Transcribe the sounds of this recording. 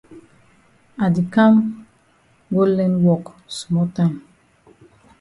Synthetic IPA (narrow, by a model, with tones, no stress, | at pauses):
a˨di˨kã˦m | ɡo˦lɛ̃˦nwɔ˦k | smɔ˦tã˦ɪ̃m